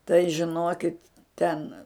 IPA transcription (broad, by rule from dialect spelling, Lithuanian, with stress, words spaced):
tɐɪ ʒʲɪˈnoːkʲɪt ˈtʲɛn